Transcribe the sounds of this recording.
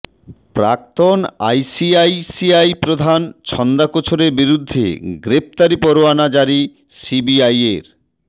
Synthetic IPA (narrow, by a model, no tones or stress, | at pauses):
pɾa̰k̚t̪ona̰jsiajsiajpɾod̪ʱant͡ɕʰɔnd̪akot͡ɕʰoɾeɾbiɾud̪ʱːḛɡɾep̚t̪aɾipɔɾoanad͡ʑaɾi | sibiajeɾ